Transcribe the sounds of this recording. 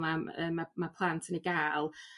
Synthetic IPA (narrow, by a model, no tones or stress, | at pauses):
naəːmamapʰlˠantʰəniɡaːlˠ